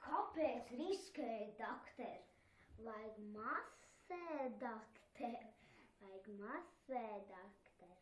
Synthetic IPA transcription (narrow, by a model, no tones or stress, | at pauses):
kʰɔpʲeːt̪sɾisked̪akt̪ɛɾʲ | lˠajkmas | ɛːd̪akt̪ʰeɾʲlˠajkmasvɛːd̪akt̪ɛɾʲ